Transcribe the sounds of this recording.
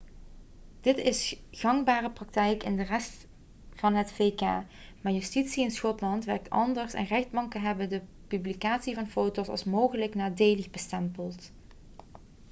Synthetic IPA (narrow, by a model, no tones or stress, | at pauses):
d̥ɪtɪsɣɑŋbaːrəprɑk̚tɛjkɪ̰ndərɛst | fɑnɦətfeka̰ː | maːɹjystitsiɪnsxɔtlɑntʋɛɹk̚tɑ̰ndəɹsɛ̰nrɛxdbɑŋkənɦɛbəndə | pyblikaːtsivɑnfowtosɑ̰lˠsmowχələknaːdeːləɣbəstɛmpəlˠt